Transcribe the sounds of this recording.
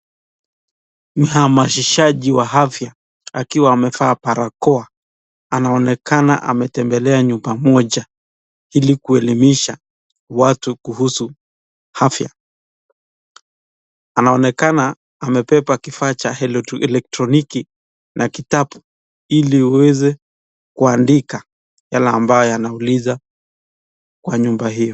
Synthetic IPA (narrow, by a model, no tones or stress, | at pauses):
m̩hamaʃiʃaʄiwaɦafja | akiwaːmɛfaːpaɾakɔa | anaɔnɛkana̰ʔa̰mɛtɛmbɛlɛaɲumbamɔʄa | ilikuɛlimiʃa | watukuhusu | hafja | anaɔnɛkanaː | mɛpɛpakifaːt͡ʃaɛɛlɛk̚tɾɔniki | nakitapu̥ | iliuwɛzɛ | kuandika | jalɛambajɔjanauliza | kwaɲumbaɦijɔ